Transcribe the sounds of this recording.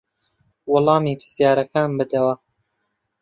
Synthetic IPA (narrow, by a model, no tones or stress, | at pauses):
wɔlˠɑːmiːpʰɨ̥sjaːɾɐkaːnbɨd̪ɐwɐ